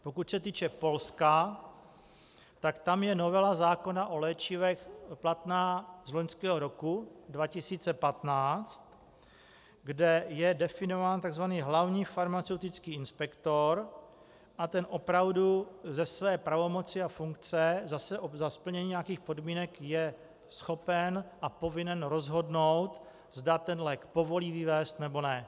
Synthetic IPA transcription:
po̞kuc̪sɛt̪iːt͡ʃɛpo̞lska | t̪akt̪amjɛnovɛlazaːko̞naʔo̞lɛːt͡ʃɪvɛxplat̪naːzloɲskɛːɦoɾokudvacɪsiːt͡sɛpat̪naːt͡st̪ | ɡdɛjɛdɛfɪnovaːnt̪aɡzvaniːɦlavɲiːfaɾmat͡sɛwt̪ɪt͡skiːɪnspɛkt̪oɾ | ʔat̪ɛnʔo̞pɾavduzɛsvɛːpɾavo̞mo̞t͡sɪafuŋk̚t͡sɛzasɛʔozaspl̩ɲɛɲiːɲeakiːxpo̞dmiːnɛkjɛ | sxo̞pɛnʔapo̞vɪnɛnɾo̞zɦo̞dnowt̪ | zdat̪ɛnlɛːkpo̞vo̞liːvɪvɛːst̪nɛbo̞nɛ

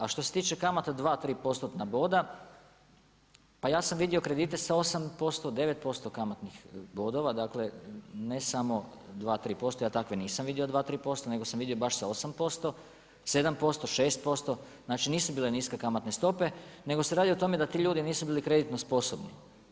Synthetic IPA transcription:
aʃt̪o̞se̞̥t̪iːt͡ʃe̞kamat̪ad̪ʋaːt̪ɾiːpo̞st̪ot̪nabo̞d̪a | pajaːsamʋid̪iokɾe̞d̪iːt̪e̞sao̞sampo̞st̪o̞d̪e̞ʋe̞t̪̚po̞st̪o̞kamat̪nixbo̞d̪o̞ʋad̪aːkle̞ne̞samo̞ | d̪ʋaːt̪ɾiːpo̞st̪o̞jaːt̪akʋe̞niːsamʋid̪io̞d̪ʋaːt̪ɾiːpo̞st̪one̞ɡosamʋid̪io̞baʃsaosampo̞st̪o̞ | se̞d̪ampo̞st̪o̞ʃe̞ːst̪̚po̞st̪o̞ | znaːt͡ʃiniːsubiːle̞niːskekamat̪ne̞st̪o̞pe̞ne̞ɡose̞ɾaːd̪iot̪o̞me̞d̪at̪iːʎuːd̪iniːsubiːlikɾe̞d̪it̪no̞spo̞so̞bni

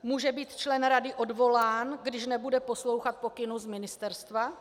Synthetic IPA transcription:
muːʒɛbiːt̪t͡ʃlɛnɾadɪʔodvo̞laːnɡdɪʃnɛbudɛpo̞slo̞wxat̪̚po̞kɪnuzmɪnɪst̪ɛɾst̪va

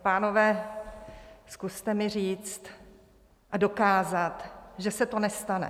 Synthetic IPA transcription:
paːno̞vɛː | skust̪ɛmɪriːt͡st̪ | ʔado̞kaːzat̪ʒɛsɛt̪o̞nɛst̪anɛ̰

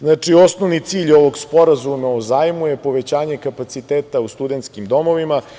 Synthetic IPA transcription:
znaːt͡ʂio̞sno̞ʋnit̪siːʎo̞ʋo̞ɡspo̞ɾazumaozaːjmujepo̞ʋet͡ɕaːɲe̞kapat̪sit̪eːt̪aust̪ud̪ent̪skimd̪o̞mo̞ʋima

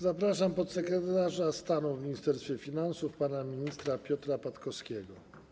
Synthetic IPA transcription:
zapɾaʂampɔt̪sɛkɾɛt̪aʐast̪anuvmʲiɲist̪ɛɾst̪fʲjɛfʲinansufpanamʲiɲist̪ɾapʲjɔt̪ɾapat̪kɔskʲɛɡɔ

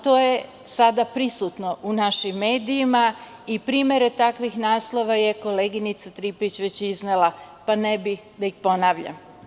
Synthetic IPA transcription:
t̪o̞ːje̞ | sad̪apɾisut̪no̞ʔunaʃimːe̞ːd̪iima | ipɾiːmje̞ɾe̞t̪akʋixnaːslˠo̞ʋaje̞ko̞leːɡinit̪sat̪ɾiːpit͡ɕʋe̞t͡ɕiznelˠapanebi | d̪aixpo̞naːʋʎa̰m

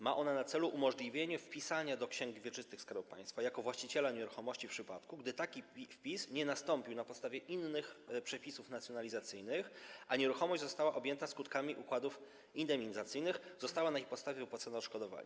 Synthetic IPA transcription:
maʔɔnanat̪sɛluʔumɔʐlʲivʲjeɲɛfpʲisaɲad̪ɔkɕɛŋɡvʲjɛt͡ʂɘst̪ɘxskaɾuwpa̰j̃st̪fajakɔvwaɕt͡ɕit͡ɕɛlaɲɛɾuxɔmɔɕt͡ɕifpʂɘpat̪kuɡd̪ɘt̪akʲipʲifpʲisɲɛnast̪ɔmpʲiwnapɔt̪st̪avʲjɛʔinːɘxpʂɛpʲisufnat̪sjɔnalʲizat̪sɘjnɘxʔaɲɛɾuxɔmɔʑd͡ʑzɔst̪awaʔɔbʲjɛnt̪askut̪kamʲiʔukwad̪uf | ind̪ɛmʲizat̪sɘjnɘxz̥ɔst̪awanaipɔt̪st̪avʲjɛpɔt̪sɛnɔʂkɔd̪ɔva̰ɲa̰

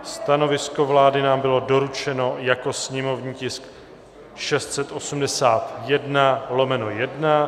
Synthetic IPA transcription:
st̪ano̞vɪsko̞vlaːdɪnaːmbɪlo̞do̞ɾut͡ʃɛno̞jako̞sɲɛmo̞vɲiːcɪsk | ʃɛst̪sɛt̪ʔo̞sumdɛsaːt̪jɛdnalo̞mɛno̞jɛdna

